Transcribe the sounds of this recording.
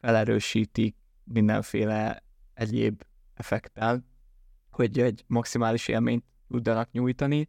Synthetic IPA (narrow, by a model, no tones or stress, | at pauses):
fɛlɛɾøːʃiːt̪ik̚ | mind̪ɛ̰ɱfeːlɛ | ɛɟḛːb | ɛfɛkt̪ɛl | hoɟɛɟmɒksimaːliʃḛːlmeːɲt̪ːud̪ːɒnɒkɲuːjt̪ɒni